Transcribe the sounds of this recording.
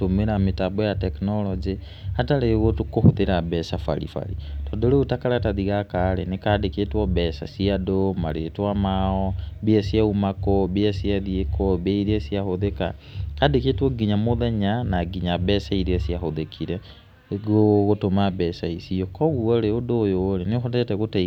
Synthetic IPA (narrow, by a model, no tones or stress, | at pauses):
tomeɾametabɔjatɛknɔlɔd͡ʒi | hataɾeɣotukohoðeɾabɛsafa̰ɾḭfa̰ɾḭtɔːndoɾeotakaɾataðiɣakaːɾenekadekeːtwɔbɛsa̰siadoma̰ɾetwamaɔbiasjaumakɔbiasiaðiekɔbeiɾiasiahoðeka̰kadeketwɔɡiɲamoðɛɲanaɡiɲabɛsaiɾiasiahoðekʰiɾɛ | ɣoɣotomabɛsaisiɔkɔɣuɔɾeodoːjoɾenexotɛtɛɣota